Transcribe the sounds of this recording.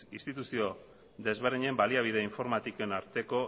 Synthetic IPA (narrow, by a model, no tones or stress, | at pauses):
ist̪it̪usio̞ | d̪e̞zβe̞ɾðiɲe̞mbaliaβ̞ið̞eiɱfo̞ɾmat̪ikoenaɾt̪e̞ko̞